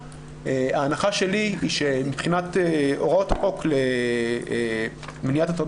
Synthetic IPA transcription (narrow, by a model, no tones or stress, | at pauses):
eaːnaχaʃe̞liiʃemipχinateʔoʁotaʁo̞kle | mnijatatod